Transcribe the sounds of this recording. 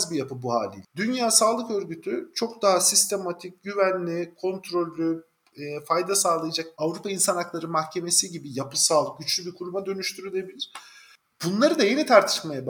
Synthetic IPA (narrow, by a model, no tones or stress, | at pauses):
zbijapɯbuha̰ːlʲḭlʲd̪ynjaːsaːlˠɯkø̞ɾɟyt̪ʰyt͡ʃʰo̞kd̪aɦasist̪ʰe̞mat̪ʰic̚ɟyvænlʲikʰo̞nt̪ʰɾo̞lʲːy | ɛfajd̪asaːlˠajad͡ʒakavɾupʰainsanaklˠaɾɯmahcʰe̞me̞siɟibijapɯsalˠɟyt͡ʃlʲybʲikʰuɾumad̪ø̞nyʃt̪ʰyɾylʲebilʲiɾ̥ | bunlˠaɾɯd̪aje̞nit̪ʰaɾt̪ʰɯ̥ʃmajab